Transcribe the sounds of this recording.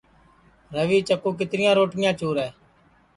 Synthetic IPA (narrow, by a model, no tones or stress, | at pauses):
ɾəʋiːt͡ʃəkuːk̬ɪt̪ɾɪjãːɾoːʈɪjãːt͡ʃuːɾɛː